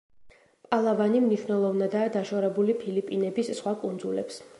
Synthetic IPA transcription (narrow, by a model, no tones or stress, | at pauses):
pʼalˠavanimniʃwnɛlˠɔvnad̪aːd̪aʃɔɾɛbulipʰilipʼinɛbisːχwakʼund̪zulɛ̰ps